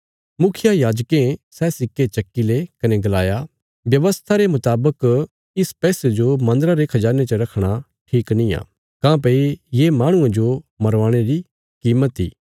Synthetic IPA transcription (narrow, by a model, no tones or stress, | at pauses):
mʊkʰɪjajaːd͡ʒkẽsɛːsɪkːet͡ʃɐkːilekɐneɡɐlaːja | ʋjɐʋəst̪ʰaɾemʊt̪aːbək | ɪspɛːsed͡ʒomɐ̃nd̪əɾaɾekʰɐd͡ʒaːnet͡ʃəɾɐkʰɽ̃a | ʈʰiːknĩjã̰ː | kãːp̬ɐijemãːɽ̃ʊ̃ãd͡ʒomɐɾʋãːɽ̃eɾi | kiːmət̪ḭː